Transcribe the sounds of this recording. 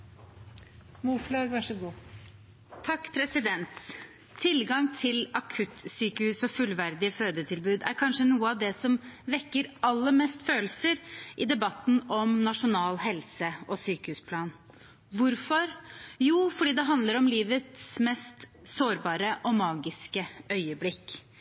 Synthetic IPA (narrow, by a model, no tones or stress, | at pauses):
muflɑʋæʂəɡuː | t̪ʰɑkːpʰɾɛsɪd̪ɛnt̪ʰː | ɪlɡɑŋt̪ʰɪlɑkʰʉt̪syːkəhʉːsɔfʉlʋæɾd̪ɪəføːd̪ət̪ʰɪlbʉːd̪æ̰ɾkʰɑnʂənuːəɑʋd̪ɛsɔmʋɛkːəɾɑlːəɾmɛst̪føːlsəɾʔɪd̪ɛbɑt̪n̩ɔmnɑʂʊnɑːlɦɛlsəʔɔsyːkəhʉːspʰlɑːn | ʋʊɾfɔɾjuːfɔɖiːd̪ɛɦɑnd̪ləɾɔmliːʋət̪smɛst̪ | soːɾbɑːɾəʔɔmɑːɡɪskəœʏəblɪkː